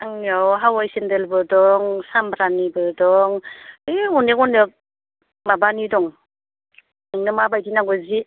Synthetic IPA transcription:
ɯŋawɦawajsendelbɯdɔŋsambɾanibɯdɔŋeɔnekɔnek̚ | mabanidɔŋ | ɯŋnɯmabajdinaŋɡɯzi

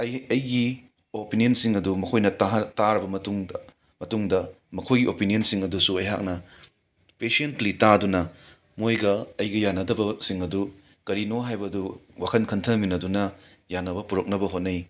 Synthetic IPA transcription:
ɐjɐjɡi | opiniɐnsiŋɐdumɐkʰojnɐtɦtaɾɐbɐmɐtuŋ | mɐtuŋdɐ | mɐkʰojɡiʔopinijonsiŋɐdusuɐjɦa̰k̚nɐ | pesentlitadunɐ | mojɡɐɐjɡɐjanːɐdɐbɐsiŋɐdu | kɐɾinoɦajbɐduwakʰɐnkʰɐntʰɐminɐdunɐ | janːɐbɐpuɾɐk̚nɐbɐɦot̚nɐj

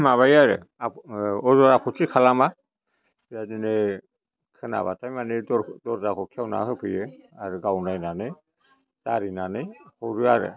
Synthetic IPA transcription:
maβajaɾɯ̰ | aɔzɔɾapʰɔtʰikʰalama | bijadinɯ | kʰɯna̰βa̰tʰajmaneɔdɔɾzakʰɔkʰijawna̰hɯpʰɯjɯaɾɯɡawnajnanɯj | z̥a̰ɾinanɯjhɔwɾɯaɾɯ̰

